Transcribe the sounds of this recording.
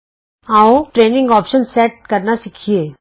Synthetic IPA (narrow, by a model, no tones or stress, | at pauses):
aːoʈɾeːnɪ̃ŋɡɔːpʃənseːʈ̚kɐɾnasikʰieː